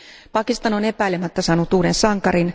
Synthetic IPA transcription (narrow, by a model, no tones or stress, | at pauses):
pɑkist̪ɑno̞ne̞pæilemæt̪ːæsɑːnut̪uːdensɑŋkɑɾin